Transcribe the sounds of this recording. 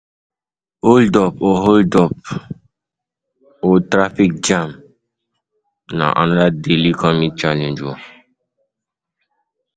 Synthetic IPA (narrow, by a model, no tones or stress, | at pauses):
oldɔpoɦoldɔp̚ | otɾafik̚d͡ʒãm | nã̰ʔa̰nɔdadelikʰɔmit͡ʃalɛ̃nd͡ʒo